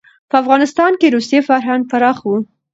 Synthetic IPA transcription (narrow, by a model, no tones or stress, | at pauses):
pəafɣɑnɪst̪ɑnkeɾusjefaɾɦand̪̚paɾɑxwu